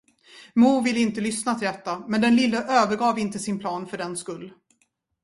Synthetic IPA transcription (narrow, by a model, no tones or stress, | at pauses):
muːvɪlːɪnt̪əlʏsnat̪ʰɪld̪ɛt̪ːamɛnd̪ɛnlɪlːəʔøːvəɾɡɑːvɪnt̪əsɪnpʰlɑːnfœɖɛnskɵlː